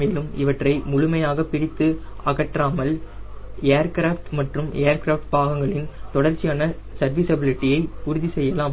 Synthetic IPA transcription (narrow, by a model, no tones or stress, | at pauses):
eːlɯmɪʋɐʈrɐɪmʊɻʊmɐjaːɣɐpːɪɾɪt̪ːɯ | ɐɣɐʈraːmɐl | eːɾkɾaːfʈmɐʈrɯmeːɾkɾaːfʈpaːɣɐŋɡɐɭɪnt̪ɔɽɐɾt͡ʃːɪjaːnɐ | sɐɾʋiːsɐbɪlɪʈːɪjɐɪpʊɾʊðisɛjːɐlaːm